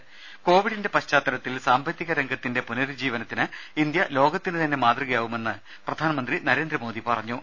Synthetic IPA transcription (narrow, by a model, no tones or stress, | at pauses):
ko̞ːʋiɽinde̞pɐɕt͡ɕaːt̪ːɐɾɐt̪ːilsaːmbʱɐt̪ːiɣɐɾeŋɡɐt̪ːinde̞punɐɾud͡ʑiːʋɐnɐt̪ːinɨind̪jɐlo̞ːɡɐt̪ːinɨt̪ɐnːe̞maːt̪riɣɐjaːʋume̞nːɨ | prɐd̪ʱaːnɐmɐnd̪rinɐɾe̞ːnd̪rɐmo̞ːd̪ipɐrɐɲːu